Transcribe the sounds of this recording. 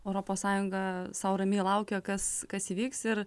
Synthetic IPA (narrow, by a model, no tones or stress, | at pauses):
ɛʊɾoːpoːssɑːjʊŋɡɐsɐʊɾɐmʲilˠɐʊkʲokɐskɐsiːʋʲiːksɪɾ